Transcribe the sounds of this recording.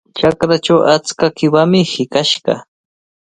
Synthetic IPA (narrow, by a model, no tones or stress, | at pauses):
t͡ʃakɾat͡ʃawʔat͡skakɪwamɪhɪkaʃɢɑ